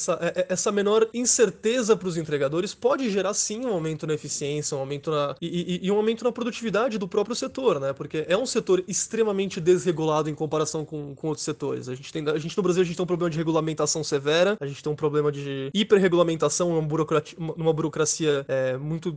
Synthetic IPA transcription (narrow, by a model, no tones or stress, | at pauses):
sɐʔɛʔɛʔɛsɐmẽnɔɾĩseɾt̪ezɐpɾʊzẽnt̪ɾeɡad̪oɾɪspɔd͡ʒɪʒeɾasĩũawmẽnt̪ʊnɐefisiẽsjɐũawmẽnt̪ʊnɐɪːũawmẽnt̪ʊnɐpɾod̪ut͡ʃivid̪ad͡ʒɪd̪ʊpɾɔpɾjʊset̪oɾnɛpoɾkeʔɛũset̪oɾɪst̪ɾẽmɐmẽnt͡ʃɪd̪ezɦeɡulad̪ʊẽkõpaɾasɐ̃w̃kõkõowt̪ɾʊ̥set̪oɾɪ̰sɐʒẽnt͡ʃɪ̥t̪ẽj̃aʒẽt͡ʃɪnʊbɾaziwɐẽt͡ʃt̪ẽpɾoblemɐd͡ʒɪheɡulamẽnt̪asɐ̃w̃sevɛɾɐɐʒẽnt͡ʃɪt̪ẽũpɾoblẽmɐd͡ʒɪipeɾɦeɡulamẽnt̪asɐ̃w̃nũmɐbuɾokɾat͡ʃũmɐnũmɐbuɾokɾasiɐɛmũj̃t̪ʊ